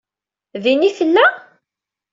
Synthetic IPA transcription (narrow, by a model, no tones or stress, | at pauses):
ðiniθəlːæ